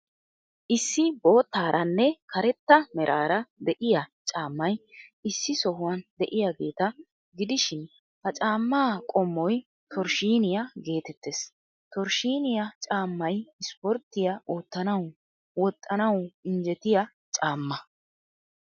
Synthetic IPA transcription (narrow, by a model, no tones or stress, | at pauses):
ʔɪsːɪbo̞ːt̪ːaːɾʔɐnːɛkɐɾɛt̪ːɐmɛɾʔaːɾɐd̪ɛʔɪjɐt͡ʃʼaːmːɐjɪsːɪsɔhʊwɐnd̪ɛʔɪjaːɡe̞ːt̪ɐ | ɡɪd̪ɪʃɪn | hɐt͡ʃʼaːmːaːkʼɔmːɔj | t̪ʰɔɾʃiːnɪjɐɡe̞ːt̪ɛt̪ːeːs | t̪ɔɾʃiːnɪjɐt͡ʃʼaːmːɐjɪspɔɾt̪ːɪjɐʔoːt̪ːɐnɐw | wɔt̪ʼːɐnɐwɪnd͡ʒɛt̪ɪjɐ | t͡ʃʼaːmːɐ